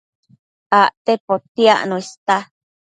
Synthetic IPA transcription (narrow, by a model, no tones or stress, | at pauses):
aʔt̪epot̪ia̰ʔnũist̪a